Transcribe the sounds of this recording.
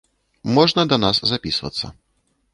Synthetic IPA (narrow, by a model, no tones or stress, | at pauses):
mɔʐnɐd̪ɐnaszapʲisvɐ̰t̪sːɐ̰